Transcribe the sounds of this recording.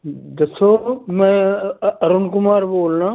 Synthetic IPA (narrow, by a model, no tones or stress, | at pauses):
d̪ɐsoːmɛ̃ɐɾʊnkʊmaːɾboːlnãː